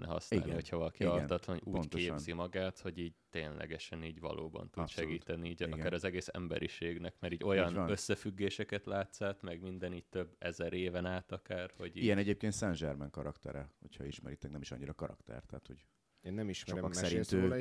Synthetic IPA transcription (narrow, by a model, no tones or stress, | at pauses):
nɛ̰ɦɒ̰snaiɡliho̞chɒvɒlɒkiɒrnɒt̪lɒnuːoɟ̪teːznzimɒɡaːt̪ho̞ɟiːɟ̚t̪eːnlʔɛ̰ɡɛʃɛniːɟvɒ̰lʔo̰ːbɒ̰nt̪ud̪ʃɛɡiːt̪ɛniiːɟiɡkaːɾɒzɛɡeːsɛ̰mbɛ̰ɾḭʃeːɡnɛkmɛɾiːɟo̞jɒnø̞sːɛfyɡːeːʃɛkɛt̪laːt̪saːt̪mɛɡmind̪ɛniːɟt̪øbːɛzɛɾeːvɛnaːt̪ɒkaːrho̞ɟiɛnɛɟeːp̚keːnt̪sɛnʒɛrmɛŋkɒɾɒkt̪ɛɾɛhocʰhɒiʃmɛɾiːt̪ɛknɛmiʃɒ̰ɲːiɾɒkɒɾɒ̰kt̪ɛ̰rt̪ɛːt̪hoɟ | eːnːɛmiʃɛoksɛɾit̪øː